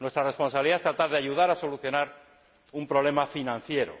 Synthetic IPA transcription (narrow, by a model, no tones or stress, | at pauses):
nwest̪ɾare̞spo̞nsaβiliðaest̪ɾat̪aɾðeaʝuð̞aɾaso̞luθjo̞naɾ | umpɾoβle̞mafinãnθje̞ɾo̰